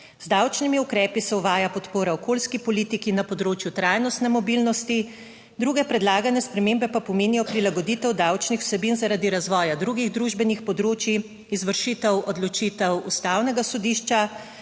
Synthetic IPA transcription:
z̥d̪awt͡ʃnimiukɾɛːpisɛuʋaːjapɔt̪poːɾaɔkoːlskipɔliːt̪ikinapɔd̪ɾoːt͡ʃjut̪ɾajnɔst̪nɛmɔbiːlnɔst̪i | d̪ɾuɡɛpɾɛd̪laːɡanɛspɾɛmembɛpapɔmeːnijɔpɾilaɡɔd̪iːt̪ɛwd̪awt͡ʃnixw̥sɛbinzaɾaːd̪iɾazʋɔːjad̪ɾuɡiɣd̪ɾuʒbɛnixpɔd̪ɾoːt͡ʃiː | zʋəɾʃit̪ɛwɔd̪lɔt͡ʃit̪ɛwust̪awnɛɡasɔd̪iːʃt͡ʃa

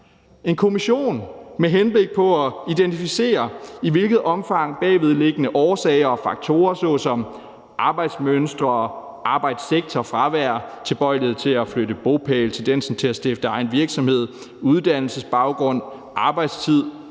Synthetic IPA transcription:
e̝nkʰo̝miɕo̝̰ːnmeɦenb̥le̝ɡ̥̚pʰɒ̽æid̥ent͡sʰifise̝̰ːɐiʋe̝lɡ̥ð̞̩ˠɒ̽mfɑ̈ŋ̰b̥ɛ̰ːʋeð̞ˠle̝ɡ̥ənəʔɒːsɛ̰ɪɐɒ̽fɑ̈ɡ̥̚t͡sʰo̝̰ːɐsɔ̰̽ːsɒ̽m | ʔɑ̈b̥ɑ̈ɪd̥smønsd̥ʁɐɒ | ɑ̈ːb̥ɑ̈ɪd̥seɡ̥̚t͡sʰɒfʁɑ̈ʋæɐ̰t͡sʰe̝lb̥ɒ̽ɪ̰lð̩ˠt͡sʰe̝æfløɾ̥əb̥o̝pʰɛːlt͡sʰe̝ld̥ensn̩t͡sʰe̝æsd̥efd̥əɑ̈ɪnʋiɐɡ̥sɒ̽mhe̝ð̞̰ˠ | uð̞ˠd̥æn̰l̩səsb̥ɑ̈ʊɡ̥ʁɔ̽n̰ | ʔɑ̈ːb̥ɑ̈ɪd̥st͡sʰið̞̰ˠ

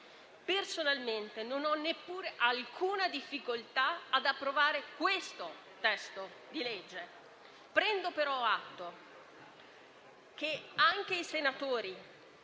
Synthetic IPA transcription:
personalment̪enonɔnːepːuːɾeʔalkʰuːnad̪ifːikolt̪aːd̪apːɾovaːɾekwest̪o | t̪ɛst̪o | d̪iled͡ʒːe | pɾɛnd̪opeɾɔat̪ːo | k̟eaŋk̟eisenat̪oːɾi

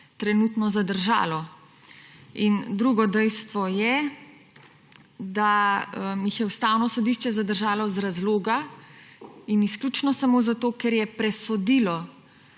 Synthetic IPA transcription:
t̪ɾɛnut̪nɔzad̪əɾʒa̰ːlɔ | ind̪ɾuɡɔd̪ɛjst̪ʋɔjɛ | d̪aəmjixjɛust̪awnɔsɔd̪iʃt͡ʃɛzad̪əɾʒaːlɔzɾazloːɡa | inisklʲuːt͡ʃnɔsamoːzat̪oːkɛɾjɛpɾɛsɔd̪iːlɔ

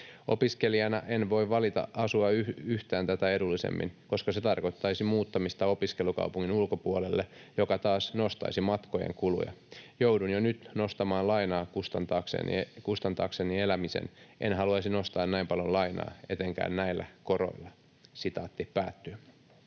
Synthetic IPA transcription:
o̰piske̞liɑnɑʔenʋo̞iʋʋɑlit̪ɑ̰ʔɑsuɑyyht̪æːnt̪æt̪æe̞dulːisḛmːḭnkoskɑse̞t̪ɑrko̞t̪ːɑisimuːt̪ːɑmist̪ɑo̞piskelukɑ̰upuŋːinulkopuolelːejo̞kɑt̪ɑːsnost̪ɑ̰isimɑt̪kojḛŋkulṵjɑ̰jowdunjonyt̪no̞st̪ɑmɑːlɑinɑːkust̪ɑnt̪ɑːksḛnḭkust̪ɑnt̪ɑːksenielæmisḛnʔḛnɦɑluɑsino̞st̪ɑːnnæimpɑljolɑinɑ̰ːe̞t̪eŋkæ̰ːnnæilːæ̰ko̞ɾo̰ilːɑ | sit̪ɑ̰ːt̪ːihpæːt̪ːy

